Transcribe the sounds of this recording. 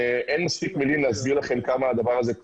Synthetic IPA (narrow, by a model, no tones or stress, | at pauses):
ʔenmaspikmilinleasbiʁlaχe̞mkamaad̪avaʁazek